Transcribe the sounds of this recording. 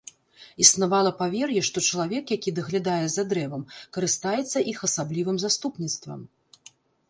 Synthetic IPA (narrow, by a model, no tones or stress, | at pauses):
isnavalˠɐpavʲɛrjɛʂt̪ɔt͡ʂɐlˠavʲɛkjakʲid̪ɐɣlʲad̪ajɛzad̪ɾɛvɐmkɐɾɨst̪ajɛt̪sːɐʔixɐsablʲivɨmzast̪upnʲit̪st̪vɐ̰m